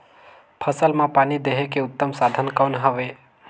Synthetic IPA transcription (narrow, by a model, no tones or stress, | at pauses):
pʰəsəlmãpanid̪eɦekeʊt̪ːəmsad̪ʱənkəwnɦəʋe